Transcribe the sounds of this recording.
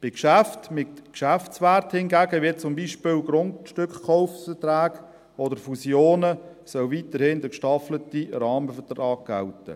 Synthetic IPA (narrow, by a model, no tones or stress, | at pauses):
b̥ɪkʃæftmɪtkʃæft͡sʋæɾthɪnɡæːɡəʋɪt̚t͡sʊmbiːʃpɪlɡɾʊntʃtʏkχkɔʊffətɾæːɡ | ɔdəɾfusjoːnə | sœlvitəɾhɪndəkʃtɑflətiɾɑːməfətrɑːɡ̚ɡ̥æ̰ltə̰